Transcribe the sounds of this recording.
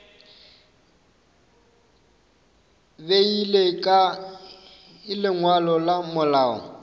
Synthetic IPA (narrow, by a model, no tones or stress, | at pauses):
beilekʼa | ɪlɪŋwalɔlamʊlaːɔ̰